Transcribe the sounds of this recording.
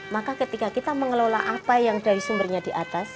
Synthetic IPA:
makakət̪ikakit̪aməŋəlolaʔapajaŋdaɾisumbərɲadiʔat̪as

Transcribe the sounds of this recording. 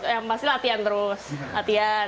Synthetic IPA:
jaŋpasilat̪iant̪əɾʊslat̪ia

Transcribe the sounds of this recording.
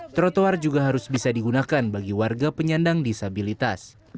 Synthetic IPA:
t̪ɾot̪oard͡ʒuɡaɦaɾʊsbisadiɡunakanbaɡiwarɡapəɲandaŋdisabilit̪as

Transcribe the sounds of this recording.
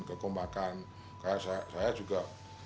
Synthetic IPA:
kəkəmbakan | kajaʔsasajad͡ʒuɡa

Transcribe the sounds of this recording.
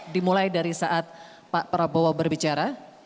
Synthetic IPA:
dimulajdaɾisaʔat̪̚ | paʔpəɾabowabərbit͡ʃaɾa

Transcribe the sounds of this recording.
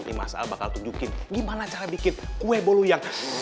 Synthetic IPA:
ḭma̰sa̰labaka̰lt̪uɲd͡ʒukɪnɡimanat͡ʃaɾabikɪnkuɛbolujaŋ

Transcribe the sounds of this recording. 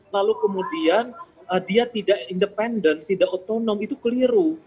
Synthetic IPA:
lalukəmudianədiat̪idaʔindəpɛndənt̪ːidaʔot̪onɔmit̪ukəliɾu

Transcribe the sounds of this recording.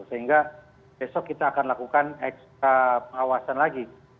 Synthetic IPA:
səɦiŋɡa | bɛsɔkːit̪aːkanlakukanɛkst̪̚ɾapəŋawasanlaɡi

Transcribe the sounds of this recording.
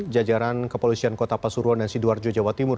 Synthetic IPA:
d͡ʒad͡ʒaɾankəpolisiankot̪apasuɾuɔndansiduard͡ʒod͡ʒawat̪imʊr

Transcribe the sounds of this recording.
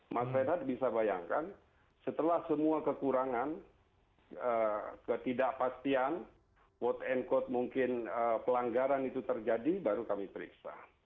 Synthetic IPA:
masad̪at̪̚bisabaja̰ŋkan | sət̪əlahsəmuakəkuɾaŋan | əkət̪idaʔpast̪ian | wɔt̪ɛnkɔt̪̚muŋkɪnəpəlaŋɡaɾanit̪ut̪ərd͡ʒadibaɾukamipəɾḭksa̰

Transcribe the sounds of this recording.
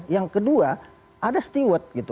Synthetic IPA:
jaŋkədua | ʔadast̪iwət̪̚ɡit̪u

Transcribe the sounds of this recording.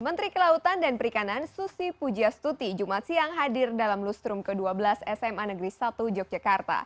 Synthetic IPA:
mənt̪ɾikəlaut̪andanpəɾikanansusipud͡ʒiast̪ut̪id͡ʒumat̪siaŋɦadɪrdalamlust̪ɾumkəduabəlasɛsɛmanəɡɾisat̪ud͡ʒɔk̚d͡ʒakart̪a̰

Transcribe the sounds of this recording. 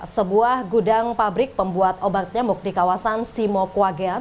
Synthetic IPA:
səbuahɡudaŋpabɾɪk̚pəmbuat̪obat̪̚ɲamuk̚dikawasansimokuaɡa

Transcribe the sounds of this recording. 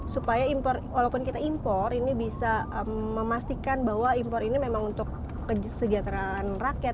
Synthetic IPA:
supajaimpɔrwalawpʊnkit̪aimpɔrinibisaəːəmast̪ikanbaɦwaimpɔɾinimemaŋunt̪ʊkː | əsəd͡ʒat̪əɾaːnrakjat̪̚

